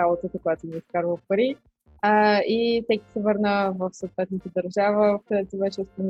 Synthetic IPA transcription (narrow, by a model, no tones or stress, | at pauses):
abot̪ət̪əkojat̪oniːskaɾvəpɐɾi | it̪ɛkʲi̥sɛvɤɾnəvəfsoːt̪vɛt̪nət̪əd̪əɾʒavəfkɐd̪ɛt̪ʊvɛt͡ʃɛsp̪on